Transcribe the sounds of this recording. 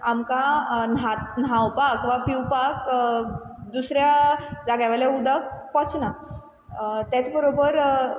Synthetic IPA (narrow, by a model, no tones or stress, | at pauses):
amkanat̪nawpakʋapiwpak | d̪usɾjad͡zaɡaʋaljaud̪ək̚pɔt͡sna | t̪jat͡sbəɾobəɾ